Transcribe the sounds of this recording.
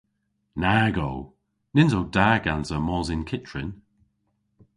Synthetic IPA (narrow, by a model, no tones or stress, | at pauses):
naːɡow | nɪnzowdaɡanzəmɔːzɪnkʰɪt͡ʃɹɪ̰n